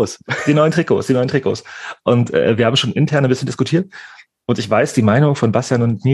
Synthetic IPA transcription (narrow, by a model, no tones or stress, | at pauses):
sd̥iːnɔʏəntʁ̥iːko̰ːsd̥iːnɔʏntʰʁiko̰ːsʔʊntʔɛ̰ːviɐaːbm̩ʃoːnʔɪntʰɛɐnanbɪsçəndɪskʊtʰiːɐt | ʔʊntɪçv̥aɪsd̥iːmaɪnʊŋfɔnbastjanʊntni